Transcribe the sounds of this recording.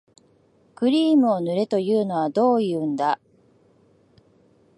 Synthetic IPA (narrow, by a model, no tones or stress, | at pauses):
kɯ̟ɾʲiːmɯ̟o̞nɯ̟ɾe̞t̪o̞jɯ̟ːno̞βad̪o̞ːjɯ̟ːnd̪a